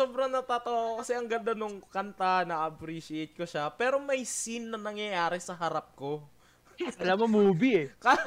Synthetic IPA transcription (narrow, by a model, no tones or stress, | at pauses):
oːbɾɐŋnɐt̪aːt̪ɐwokɐsɛʔɐŋɡɐnd̪anoŋkɐnt̪anɐʔɐpɾiːʃɪɛjt̪̚koʃapɛːɾo̞mɐjsinːɐnɐŋjɐjaːɾɛsɐɦɐɾap̚ko̞ | ɐlamomuːbiɛka